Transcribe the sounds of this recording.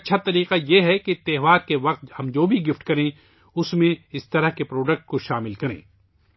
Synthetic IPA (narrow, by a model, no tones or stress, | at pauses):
ɐtːʃʰat̪ɐɾiːqajeɦɛket̪eːɦʋaːɾkeʋɐq̚t̪hɐmd͡ʒoːbʱiɡɪfʈkɐɾẽ | ʊsmẽɪst̪ɐɾəɦkepɾoːɖək̚ʈ̚koʃaːmɪlkɐɾḛ̃ː